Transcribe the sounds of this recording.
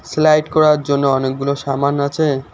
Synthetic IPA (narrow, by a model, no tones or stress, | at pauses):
slajʈkɔɾaɾd͡ʑonːoɔnek̚ɡuloʃamanat͡ɕʰe